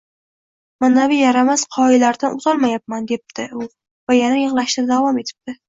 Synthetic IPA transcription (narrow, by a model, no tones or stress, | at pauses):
manavɪjaɾamasqʰɒɪlaɾd̪anʔʊzɒlˠmajap̚mand̪e̞p̚t̪ʰɪʊ | vajanajɨʁlˠaʃt̪ad̪avɒme̞t̪ʰɪ̥p̚t̪ɪ